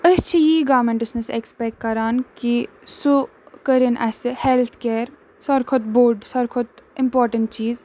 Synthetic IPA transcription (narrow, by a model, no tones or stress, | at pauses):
əst͡ʃʰijiːɡaːɾmẽɳʈɪsnɐsḛkspeːʈ̚kɐɾaːnki | su | kəɾinʔɛːseheːlt̪ʰkeːɾ | sɐɾkʰʊt̪̚boːɾɖsɐɾkʰʊt̪̚ɪ̃mpoːɾʈəɳʈt͡ʃiːz